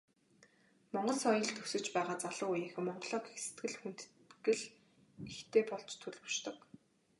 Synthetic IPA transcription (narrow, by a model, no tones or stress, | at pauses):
mɔɴɢɞ̆ɮsɔjɞ̆ɮt̪ʰɵsɵ̆t͡ɕpæːʁaːt͡saɮʊːujeːxɘ̆mːɔɴɢɞ̆ɮɔːxe̥sɘt̪ɡɘ̆ɮxun̥t̪ | ɡɘ̆ɮ | ext̪ʰeːpɔɮt͡ɕt̪ʰɵɮpɵ̥̆ʃt̪ɞ̆k